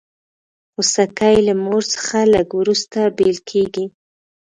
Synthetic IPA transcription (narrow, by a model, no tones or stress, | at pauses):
usakajlamoɾsə̥xaləɡwɾust̪abelkʰeɡi